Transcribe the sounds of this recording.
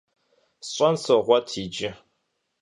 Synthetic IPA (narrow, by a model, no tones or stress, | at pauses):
ɕʷʼansoʁʷatʰid͡ʒɪ